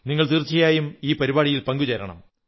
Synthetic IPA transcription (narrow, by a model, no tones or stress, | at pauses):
niŋːɐɭt̪irt͡ɕːɐjaːjumiːpɐɾibaːɽijilpɐŋɡud͡ʑɐɾɐ̰ɳɐ̰m